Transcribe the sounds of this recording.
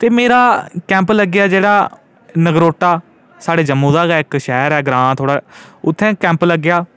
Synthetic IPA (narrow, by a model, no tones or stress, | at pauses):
t̪eːmeːɾaːkɛ̃ːmpləɡjaːd͡ʒeːɽaː | nəɡɾoːʈːaː | saːɽeːd͡ʒəmːũːd̪aːɡaːɪkʃɛːɾɛːɡɾãːt̪ʰoːɽaːʊt̪ʰːɛ̃ːkɛ̃ːmpləɡɪjaː